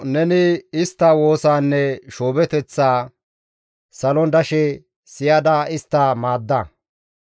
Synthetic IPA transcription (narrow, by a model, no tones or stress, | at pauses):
nɛnɪɪst̪ːɐwo̞ːsaːnːɛʃoːbɛt̪ɛt͡sːaː | sɐlɔnd̪ɐʃɛ | sɪjɐd̪ɐɪst̪ːɐmaːd̪ːɐ